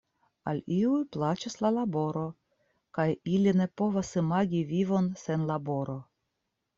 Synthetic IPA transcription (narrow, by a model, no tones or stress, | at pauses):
a̰liujplat͡ʃaslalabo̞ɾo̞ | kajiline̞po̞vasɨmaɡʲivivo̞nse̞nlabo̞ɾo̞